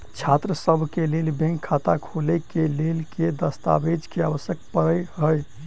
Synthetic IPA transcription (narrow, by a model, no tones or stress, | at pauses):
t͡ʃʰat̪ɾəsəbʱkelelbẽŋkʰːat̪akʰolɛkelelked̪əst̪a̰bed͡ʒkeaʋəsjək̚pəɾəjɦəj